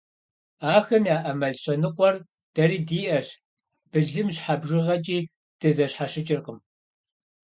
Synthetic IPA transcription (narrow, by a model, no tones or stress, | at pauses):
aːxɐmjaːʔɐmɐɮɕʼɐnɨqʷɔr | d̥ɐriːdiːʔɐɕ | b̥ɨɮɨmɕħabʒɪʁɐt͡ʃʼiː | d̥ɨzɐɕħaɕɪt͡ʃʼɪrqəm